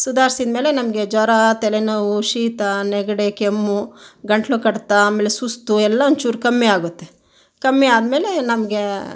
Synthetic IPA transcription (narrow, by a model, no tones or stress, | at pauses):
sud̪ʱaːɾisid̪me̞ːlenɐmɐɡed͡ʒɔɾat̪ɛlɛnɐʋuʃiːt̪anɛɡɐɽekemːuɡɐɳʈlukɐɽt̪ːaaːmeːlesust̪uɛlːaʋɐnd̪t͡ʃuːɾkɐmːiaːɡut̪ːe | kɐmːiaːd̪me̞ːlenɐmɐɡe